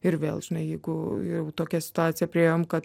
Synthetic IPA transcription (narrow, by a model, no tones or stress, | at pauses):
ɪɾʋʲeːlˠʒ̥ʲɪnɐɪjɛɪɡʊjɛʊt̪oːkʲɛsʲɪ̥t̪ʊɑːtt͡s̪ʲsʲɪjɛpʲɾʲiejomkɐt̪